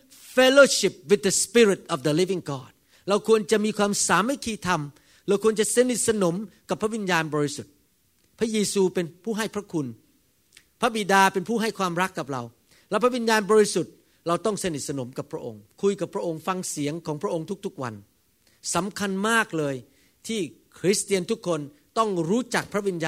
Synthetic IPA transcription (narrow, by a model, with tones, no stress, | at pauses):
fe˦˥loː˧ɕi˨˩p̚wi˨˩t̪̚d̪ə˨˧spi˦˥ɾi˨˩t̪̚ʔɔ˨˩fd̪ə˨˧li˦˥vi˧˥ŋɡɔː˥˩t̪̚ | ɾa˧wkʰu˧ənt͡ɕa˨˩ʔmiː˧kʰwaː˧msaː˩˦mːa˥˩jkʰiː˧˩t̪ʰa˧m | ɾaː˧wkʰu˧ənt͡ɕa˨˩ʔse˧˥ni˨t̪̚sa˧no˩˦mka˨˩pʰɾa˥wi˧njaː˧nbɔː˧ɾi˧su˨˩t̪̚ | pʰɾa˦˥jeː˧suː˧pe˧npʰuː˥˩ɦa˥˩jpʰɾa˦˥kʰu˧n | pʰɾa˦˥bi˨˩daː˧pe˧npʰuː˥˩ɦa˥˩jkʰwaː˧mɾa˦˥kːa˨˩p̚ɾa̰˧w | lɛː˦˥˩wpʰɾa˥wi˧njaː˧nbɔː˧ɾi˧˥su˨˩t̪̚ | ɾa˧wt̪ɔ˥˩ŋse˧ni˨t̪̚sa˧no˩˦mka˨˩pʰɾa˦˥ʔo̰˧ŋkʰu˧jka˨˩pʰɾa˦˥ʔo˧ŋfa˧ŋsi˨˩˦ŋkʰɔː˩˦ŋpʰɾa˦˥ʔo˧ŋt̪ʰu˦˥k̚t̪ʰu˦˥k̚wa̰˧n | sa˩˦mkʰa˧nmaː˥˩k̚lɤː˧j | t̪ʰiː˥˩kʰɾi˦˥st̪i˧ənt̪ʰu˦˥kʰːo˧n | t̪ɔ˥˩ŋɾuː˦˥t͡ɕa˨˩k̚pʰɾa˥wi˧njaː˧